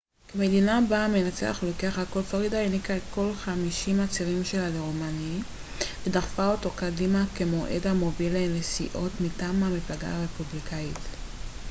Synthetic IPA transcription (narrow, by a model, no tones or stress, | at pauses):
kemedinabamenat͡sḛa̰χlokeaχhako̞lfaʁidaenikaetko̞lχamiʃimat͡siʁimʃe̞laleʁomani | vedaχfaoto̞kadimakemo̞ʔedhamo̞bilenesḭʔo̞tmitaːmhamiflaɡa̰aʁe̞publikʰait